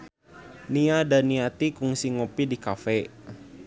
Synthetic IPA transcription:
niadaniat̪ikuŋsiŋopidikafɛ

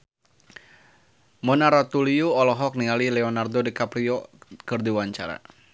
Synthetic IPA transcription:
mɔnaɾat̪uliuɔlɔɦɔk̚niŋalilɛɔnardɔdikapɾiɔkərdiwaɲt͡ʃaɾa̰

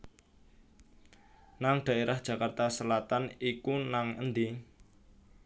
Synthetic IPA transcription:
naŋɖ̥ä̤eɾʔahd̥ʒ̥ä̤kart̪asəlat̪anikunaŋə̰nd̪i

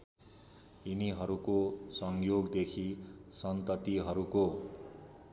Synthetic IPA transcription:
iniɦʌɾukosʌŋjoɡd̪ekʰisʌnt̪ʌt̪iɦʌɾuko

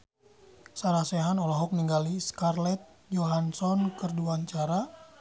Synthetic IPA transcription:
saɾasɛɦanɔlɔɦɔk̚niŋɡaliskarlɛt̪̚ | d͡ʒoɦansɔnkərduaɲt͡ʃaɾa

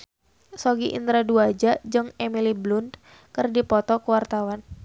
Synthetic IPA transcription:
soɡiʔḭnt̪ɾaduad͡ʒad͡ʒɨŋemiliblund̪ | kɨrdipɔt̪ɔkəwart̪awan

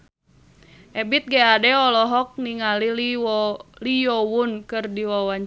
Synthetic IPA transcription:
ʔɛbit̪̚ɡɛadɛɔlɔɦɔk̚niŋalil | lijɔwunkɨrdiwawaɲ

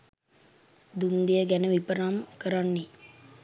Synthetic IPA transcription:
d̪und̪ijəɡænəʋipəɾamkəɾanːi

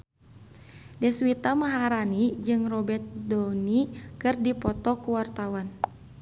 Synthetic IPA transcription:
dɛswit̪amaɦaɾanid͡ʒɨŋrɔbɛrt̪̚dɔnikɨrdipɔt̪ɔkuwart̪awan

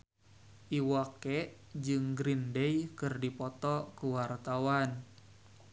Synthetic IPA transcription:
ʔiwakɛʔ | d͡ʒɨŋɡɾindɛjkɨrdipɔt̪ɔkuwart̪awan

